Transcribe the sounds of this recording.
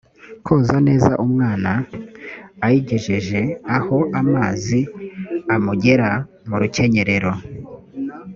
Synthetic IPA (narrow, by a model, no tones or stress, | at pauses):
kʰoːzane̞ːza̰ʔumŋaːnaː | jiɟe̞ʒeʒe̞aho̞ʔamaːziamuɟe̞ɾa | muɾuce̞ɲe̞ɾe̞ɾo̞